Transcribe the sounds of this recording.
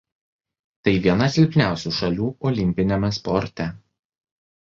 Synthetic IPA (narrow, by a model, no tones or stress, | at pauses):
t̪ɐɪʋʲiɛnɐsʲɪlʲpʲnʲæˑʊsʲuːˑʃɐlʲuːɔlʲɪmʲpʲɪnʲɛmʲɛspɔɾʲt̪ʲɛ